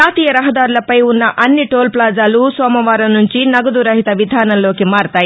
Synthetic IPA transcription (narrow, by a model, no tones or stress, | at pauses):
aːt̪iːjɐɾɐɦɐd̪aːɾulɐpɐjunːɐʔɐnːiʈoːlplaːd͡ʒaːlusɐːmɐʋaːɾɐnːuɲt͡ʃinɐɡɐd̪uɾɐɦit̪ɐʋid̪ʱaːnɐnlːo̞ːkimaːɾt̪aːji